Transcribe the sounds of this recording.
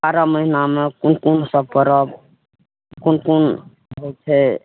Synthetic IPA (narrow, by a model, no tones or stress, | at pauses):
baɾaməɦinamekunkunsəb̚kəɾəb | kunkun | ɦot̪ʰɛ